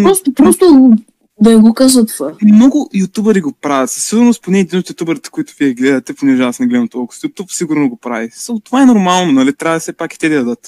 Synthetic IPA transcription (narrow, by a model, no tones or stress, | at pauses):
p̪ɾɔst̪ʊpɾɔst̪ʊ | d̪ɐɛɡokazət̪ovamnɔɡʊjʊt̪ʲubəɾiɡopɾavɐt̪ssiɡʊɾnosponɛːd̪inot̪jʊt̪ʲubɛɾit̪ɛ̥koit̪ʊviɛɡlɛd̪ɐt̪ɛponɛʒasnɛɡlɛd̪ɐmt̪ɔlˠkʊ̥sjʊt̪upsiɡʊɾnoɡopɾa̰visalˠt̪ovaɛnoɾmalˠnonɐlit̪ɾʲavsɛpaki̥t̪ɛd̪ɐjɐd̪ət̪